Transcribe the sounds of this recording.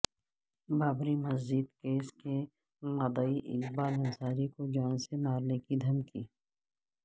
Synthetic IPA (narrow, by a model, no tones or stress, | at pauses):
baːbɾimɐzd͡ʒid̪keːske | mɐd̪əiʔɪ̰kbaːlɐnsaːɾikod͡ʒaːnsemaːɾnekid̪ʱɐmki